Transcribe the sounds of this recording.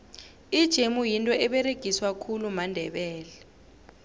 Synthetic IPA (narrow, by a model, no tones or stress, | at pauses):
id̥ʒ̥ʱemujintʼɔɛɓɛreɡ̥ʱiswakʰulumandʱɛɓɛːlɛ